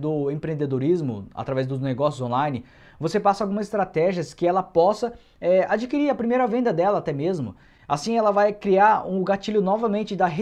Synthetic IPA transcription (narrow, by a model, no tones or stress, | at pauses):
d̪ʊẽpɾẽnd̪ed̪oɾizmʊ̰a̰t̪ɾavɛzd̪ʊzneɡɔsjʊzõlajnɪ | vosepasɐawɡũmɐzɪst̪ɾat̪ɛʒiɐskɪɛlɐpɔsɐ | ɛad͡ʒikiɾiɾɐpɾimejɾɐvẽnd̪ɐd̪ɛlɐat̪ɛmezmʊ̰ | asĩɛlɐvajkɾiaɾũɡat͡ʃiʎʊnɔvɐmẽnt͡ʃɪd̪ɐɦe